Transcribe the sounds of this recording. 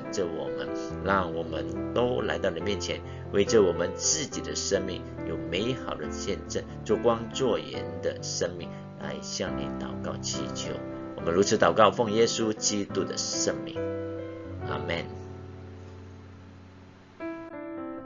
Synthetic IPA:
ʈ͡ʂə˨wɔ̰˨˩mə˦n | ɻɑ˥˩ŋwɔ˨˩mə˧˦nt̪o˥ʊla˧˥ɪt̪ɑ˥˩ʊni˨˩mjɛ˥˩nt͡ɕʰjɛ˧˥n | we˥˩ɪʈ͡ʂə˨wɔ˨˩mə˦nt͡sɹ̩˥˩t͡ɕi˨˩d̪ə˦ʂə˥ŋmḭ˥˩ŋ | jo˨˩ʊme˧˥ɪxɑ˨˩ʊd̪ə˦ɕjɛ˥˧nʈ͡ʂə˥˩nt͡so˥˩kwɑ˥ŋt͡swɔ˥˩jɛ̰˧˥nd̪ə˨ʂə˥ŋmḭ˥˩ŋ | la̰˧˥ɪɕjɑ˥˩ŋnḭ˨˧˩t̪ɑ˨˩ʊkɑ˥˩ʊt͡ɕʰḭ˧˩t͡ɕʰjo̰˧˥˦ʊ | wɔ˨˩mə˧˦nɻu˧˥t͡s̩ʰ˧˥t̪ɑ˨˩ʊkɑ˥˩ʊfo˥˩ŋjɛ˥su˥˦t͡ɕi˥t̪u˥d̪ə̰˨ʂə˥ŋmḭ˥˩ŋ | ʔa̰˥mɛ˥˩n

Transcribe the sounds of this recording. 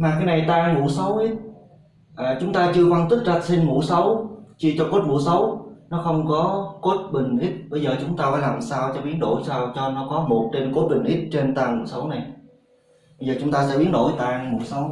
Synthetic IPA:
maː˨˩kaː˨˦jna˨˩jt̪aː˧ŋmṵ˧˩˥sə˨˦wʔi˦˥t̚ | ʔəː˨˩t͡ɕʊ˨˦ŋ͡mt̪aː˧t͡ɕɨ˧əfə˧nt̪i˦˥k̚za˦˧˥t̚sï˧ŋ̟mṵ˧˥sə˨˦wt͡ɕi˧t͡ɕɔ˧ko˦˥t̚mṵ˧˥sə˨˦wnɔ˨˦xə˧wŋ͡mkɔ˨˦ko˦˥t̚ɓï˨˩ŋ̟ʔi˦˥t̚ɓə˧jzəː˨˩t͡ɕʊ˨˦ŋ͡mt̪aː˧faː˧˥˦jlaː˨˩msaː˧wt͡ɕɔ˧ɓi˨˦ənɗo̰˧˥jsaː˧wt͡ɕɔ˧nɔ˨˦kɔ˨˦mo˨˩t̚t͡ɕe˧nko˦˥t̚ɓï˨˩ŋ̟ʔi˦˥t̚t͡ɕe˧nt̪aː˧ŋmṵ˧˥sə˨˦wna˨˩j | ɓə˧jzəː˨˩t͡ɕʊ˨˦ŋ͡mt̪aː˧sɛ̰˧˥ɓi˨˦ənɗo̰˧˩˨jt̪aː˧˩ŋmṵ˧˥sə˨˦w

